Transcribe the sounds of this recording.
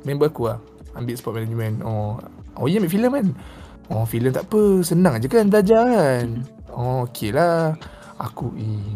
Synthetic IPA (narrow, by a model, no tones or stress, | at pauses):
mɛ̃mbəakuah | ambit̪ʔsəpɔt̪̚mɛnad͡ʒmɛnɔo̰jəmɛ̃ʔfiləmkan | ɔ̃filəmt̪a̰ʔpəsənãŋad͡ʒakandlad͡ʒan | ɔ̃okʰela | a̰kui